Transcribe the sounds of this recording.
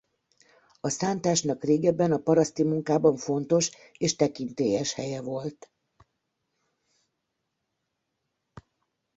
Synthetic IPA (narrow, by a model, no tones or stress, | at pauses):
ɒsaːnt̪aːʃnɒkreːɡɛbːɛnɒpɒɾɒst̪imuŋkaːbɒɱfo̞nt̪o̞ʃ | eːʃt̪ɛkint̪eːjɛʃhɛjɛvo̞lt̪